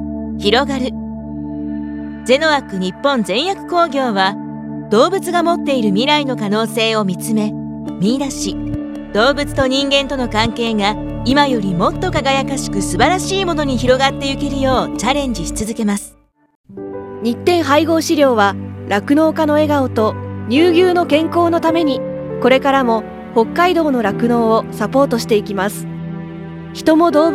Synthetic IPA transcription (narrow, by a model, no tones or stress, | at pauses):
çiɾo̞ɡaɾɯ̟ | d͡ze̞no̞βakɯ̟ɲ̟ipːõ̞nzẽ̞ɰ̃jakɯ̟̥ko̞ːɡʲo̞ːβa | d̪̥o̞ːbɯ̟t͡sɨɡamo̞t̪ːe̞iɾɯ̟mʲiɾaino̞kano̞ːse̞ːo̞mʲit͡sɨme̞ | mʲiːd̪aɕi | d̪̥o̞ːbɯ̟t͡sɨ̥t̪o̞ɲ̟ĩŋɡẽ̞nt̪o̞no̞kãŋke̞ːɡa | imajo̞ɾʲimo̞t̪ːo̞kaɡajakaɕi̥kɯ̟sɨbaɾaɕiːmo̞no̞ɲ̟içiɾo̞ɡat̪ːe̞ɯ̟ke̞ɾɯ̟jo̞ːt͡ɕaɾẽ̞ɲ̟d͡ʑiɕi̥t͡sɨzɨke̞masɨ̥ | ɲ̟it̪ːẽ̞ɰ̃ɦaiɡo̞ːɕiɾʲjo̞ːβaɾakɯ̟no̞ːkano̞e̞ɡaot̪o̞ɲ̟ʲɨːɡʲɨːno̞kẽ̞ŋko̞ːno̞t̪ame̞ɲ̟i | ko̞ɾe̞kaɾamo̞ | ho̞kːaid̪o̞ːno̞ɾakɯ̟no̞ːosapo̞ːt̪o̞ɕi̥t̪e̞ikʲimasɨ̥ | çi̥t̪o̞mo̞d̪o̞ː